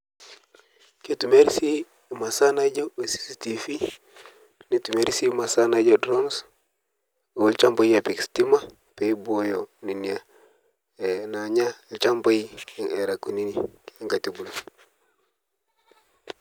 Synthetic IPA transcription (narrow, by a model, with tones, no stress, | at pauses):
ke˦tu˨me˦ɾsi˦ | ma˨sa˦na˦d͡ʒo˦e˨si̥˨si˦ti˨fi˦ | ni˦tu˨me˦ɾi˦si˦ma˨sa˦na˦d͡ʒo˦dɾo˦ns | o˨lt͡ʃa˦mba˦i˦a˨pe˨ksti˦ma˦ | pe˨i˦bo˦jo˨ni˨ni˨a˨ | e˨na˨ɲa˦lt͡ʃa˦mba˦i˦˨e˨ɾa˨kːu˨ni˦ni˨˦ŋɡa˨ti˨bu˨lo